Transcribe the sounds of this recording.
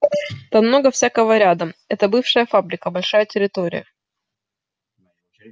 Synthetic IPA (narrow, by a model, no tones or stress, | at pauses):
t̪amno̞ɡəfsʲakəvəɾʲad̪əɛt̪əbɨfʂɨjəfabɾʲɪkəbɐlʲʂajətʲɪɾʲɪt̪oɾʲɪ̰jə